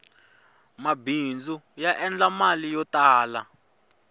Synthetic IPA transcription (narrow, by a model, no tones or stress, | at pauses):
mabind͡zujaʔɛnd͡ɮamalijɔtʼaːla